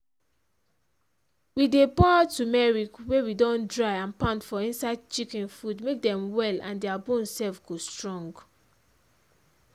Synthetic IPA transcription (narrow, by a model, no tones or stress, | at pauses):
widebɔatumɛɹikwewidɔ̃ndɹaɪãnpãntfɔĩnsaɪd̚t͡ʃikɛ̃nfudmek̚dɛ̃mwɛlã̰ndɛabõnsɛlfɡostɹɔ̃ŋɡ